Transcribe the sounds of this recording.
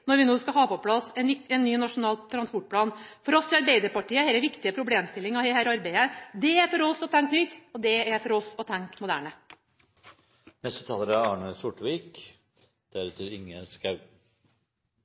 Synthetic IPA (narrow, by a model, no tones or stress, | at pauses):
nɔɾʋɪnoːskɑɦɑːpɔpʰlɑsːɛnʋɪɛnːyːnɑʂʊnɑːlt̪t̪ʰːɾɑnspɔʈ̚pʰlɑːnfɔɾɔsːɪɑɾbeɪd̪əɾpɑʈiːəheːɾəʋɪkt̪ɪəpʰɾʊbleːmst̪ɪlːɪŋɑʋhehæːɾɑɾbeɪəd̪ɛæɾfɔɾɔsɔt̪ʰæŋknʏt̪ɔd̪ɛæɾfɔɾɔsɔt̪ʰæŋkmʊd̪æːɳə | nɛst̪ət̪ʰɑːləɾæɑːɳəsʊʈʋiːk | d̪̥æɾʉːt̪əɾɪŋːəskɑʉ